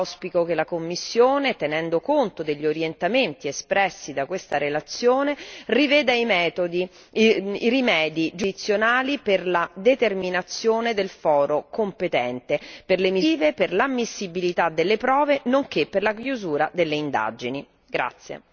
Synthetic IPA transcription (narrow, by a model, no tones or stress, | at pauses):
spikokelakomːisːjoːnet̪enɛnd̪okont̪od̪eʎːioɾjent̪ament̪iespɾɛsːid̪akwest̪aɾelat̪sjoːnerivɛːd̪aimɛːt̪od̪i | irimɛːd̪id͡ʒuit̪sːjonaːliperlad̪et̪erminat̪sːjoːned̪elfɔːɾokompet̪ɛnt̪eperlemiveperlamːisːibilit̪ad̪elːepɾɔːvenoŋkepːerlakjuzuːɾad̪elːeind̪a̰d͡ʒini | ɡɾa̰t̪sːjḛ